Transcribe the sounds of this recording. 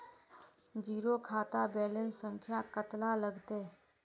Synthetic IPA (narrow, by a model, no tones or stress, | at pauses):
d͡ʒiːɾokʰaːt̪abɛːlənsə̃ŋkʰjakət̪laləɡt̪e